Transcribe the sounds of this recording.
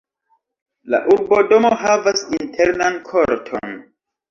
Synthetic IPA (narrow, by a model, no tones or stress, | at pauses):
la̰ʔuɾbo̞do̞moɦavasintʰeɾnankʰo̞ɾtʰo̰n